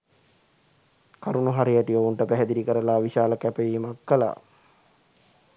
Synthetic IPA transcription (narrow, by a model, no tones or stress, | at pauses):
kaɾunuɦaɾijaʈiouɳʈəpæɦɛd̪iɾikəɾəlaːʋiʃaːləkæpejiːmakːəla̰ː